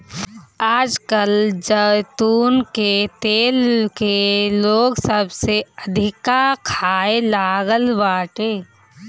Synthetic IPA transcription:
aːd͡ʒkəld͡ʒət̪uːnket̪eːlkeloːɡsəbseəd̪ʱɪkakʰaːelaːɡəlʋaːʈeː

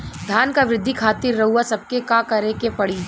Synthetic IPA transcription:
d̪ʱjaːnkaʋɾɪd̪ʱːikʰaːt̪iɾːɐɦuasɐb̚kekakɐɾekepɐɽid͡ʒ

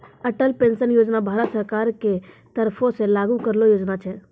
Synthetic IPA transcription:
əʈəlpensənjod͡ʒnabʱaɾət̪səɾkaɾke | t̪əɾpʰõsẽlaɡukəɾlojod͡ʒnat͡ʃʰɛ

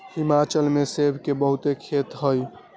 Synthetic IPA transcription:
himat͡ʃəlmesebʱkebəɦut̪ekʰet̪ɦəj

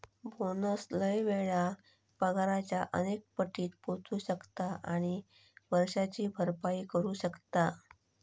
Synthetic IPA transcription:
bʱonəsləjʋeɭa | pəɡaɾat͡ɕjaʔənek̚pəʈːiːt̪̚pot͡suːɕəkt̪aʔaɽ̃i | ʋəɾʂat͡ɕiːbʱəɾpaiːkəɾuːɕəkt̪a

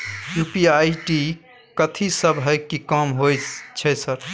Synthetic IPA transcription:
jupiajʈi | kət̪ʰisəbɦəjkikɔmɦojt͡ʃʰɛsəɾ

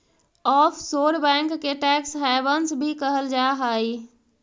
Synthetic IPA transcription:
ɔːpʰsoːɾbɛ̃ːŋkːeʈɛksɦɛbənsbʱikəɦəld͡ʒaɦaːi

